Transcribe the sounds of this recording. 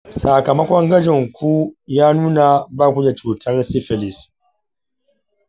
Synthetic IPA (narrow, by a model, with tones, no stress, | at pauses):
saː˨kɐ˨mɐ˦kʷɔ˦ŋɡɐ˦d͡ʒɪ˨ŋkʷʰu˦jaː˦nuː˦na˨baː˦˨kʷu˦d͡ʒe˨t͡ʃuː˨tʰɐ˦rsɪ˦ɸɛ˨lɪ˨s